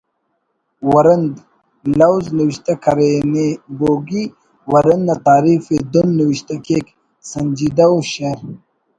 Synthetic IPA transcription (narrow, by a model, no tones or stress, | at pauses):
wɐɾɐnd̪ | lɐwzniwiɕt̪akʰɐɾeneboːɡi | wɐɾɐnnat̪aːɾifed̪unːiwiɕt̪akek | sɐnd͡ʒid̪aoɕeɾ